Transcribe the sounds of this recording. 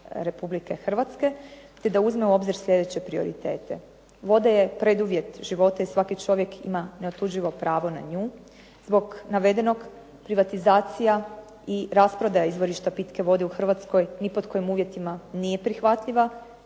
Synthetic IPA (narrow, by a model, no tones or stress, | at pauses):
ɾe̞publike̞xr̩ʋat̪ske̞t̪e̞d̪auzmeuo̞bziɾsʎʲe̞d̪et͡ɕe̞pɾio̞̰ɾḭt̪e̞ːt̪e̞ | ʋo̞d̪aje̞pɾe̞d̪uʋje̞t̪ʒ̥iʋo̞t̪aisʋakit͡ʃo̞ʋje̞kʰḭmaneot̪ud͡ʒiʋo̞pɾaːʋo̞na̰ɲuː | zbo̞ɡnaʋe̞d̪eno̞ɡ | pɾiʋat̪izaːt̪sija | iɾaspɾo̞d̪ajaizʋo̞ɾiʃt̪apit̪ke̞ʋo̞d̪euxr̩ʋat̪sko̞jnipoko̞jimuːʋje̞t̪imanije̞pɾixʋat̪ʎiʋa